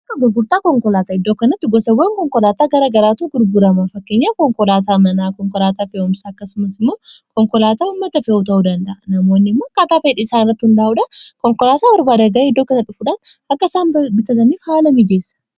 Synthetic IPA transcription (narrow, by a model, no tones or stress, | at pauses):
ɐkːɐɡʊɾɡʊɾt̪aːkɔŋkɔlaːt̪aːɪd̪ːoːkɐnɐt̪ːɪɡɔsɐwːɐŋkɔŋkɔlaːt̪aːɡɐɾɐɡɐɾaːt̪uːɡʊɾɡʊɾɐmafɐkːe̞ːɲːaːkɔŋkɔlaːt̪aːmɐnaːkɔŋkɔlaːt̪aːfeɔnɪsɐkːɐsʊmɐsɪmːo̞ːkɔŋkɔlaːt̪aːʊmːɐt̪ɐfeut̪ɐʔuːd̪ɐnd̪ɐʔɐnɐmoːnːɪmːoːɐkːaːt̪aːfeːᶑɪɪsaːnɪrːɐt̪ːɪhʊnd̪ɐːʔʊᶑɐkɔŋkɔlaːt̪aːɔɾbaːd̪ɐɡaːɪd̪ːoːkɐnɐt̪ːʊfʊᶑaːn | ɐkːɐsaːnbɪkɐt̪ɐniːfhaːlɐmɪd͡ʒeːsɐ̥